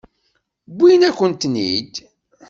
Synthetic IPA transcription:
bʷːijnækʷːənt̪nḭd̪

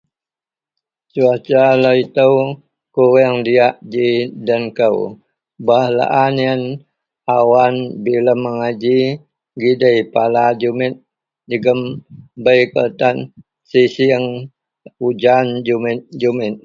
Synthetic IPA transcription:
t͡ʃuat͡ʃalait̪əw | kuɾəŋdiaʔd͡ʒidənkəw | bahla̰ʔaniən | awanbiləmːəŋad͡ʒi | ɡidəjpalad͡ʒumɪt̪̚ | d͡ʒəɡəmbəjkə̰t̪an | sisiəŋ | ud͡ʒand͡ʒumɪt̪̚d͡ʒumɪt̪̚

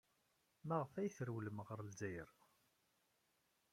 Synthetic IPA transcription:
mæʁəfæjθəɾwləmʁəɾˤəlzæjə̰ɾ

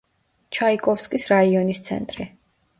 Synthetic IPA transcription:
t͡ʃʰaikʼɔfskʼisɾaiɔnist̪sʰɛ̰nt̪ʼɾi

